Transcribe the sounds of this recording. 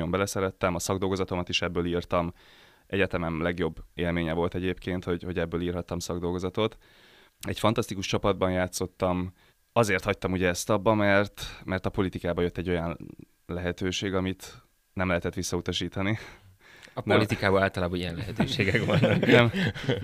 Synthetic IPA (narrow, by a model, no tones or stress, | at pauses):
jo̞mbɛlɛsɛɾɛt̪ːɛmɒsɒɡd̪o̞lɡo̞zɒt̪o̞mɒt̪iʃɛbːøːliːrt̪ɒm | ʔɛɟɛt̪ɛmɛmlɛɡjo̞bːeːlmeːɲɛvo̞lt̪ɛɟeːpkeːnt̪ho̞ɟho̞ɟɛbːøːliːrɦɒt̪ːɒmsɒɡd̪o̞lɡozɒt̪o̞t̪ | ɛcfɒnt̪ɒst̪ikuʃt͡ʃɒpɒd̪̚bɒnjaːt̪so̞t̪ːɒm | ɒzeːrt̪hɒc̚t̪ɒmuɟɛɛst̪ɒbːɒmɛrt̪mɛrt̪ɒpo̞lit̪ikaːbɒjø̞t̪ːɛɟːo̞jɒn | lɛɦɛt̪øːʃeːɡɒmit̪ | nɛmlɛɦɛt̪ɛt̪ʋisːɒut̪ɒʃiːt̪ɒni | lit̪ikaːbɒlaːlt̪ɒlaːbɒnijɛnlɛɦɛt̪ːʃeːɡɛkʋɒnːɔkɛm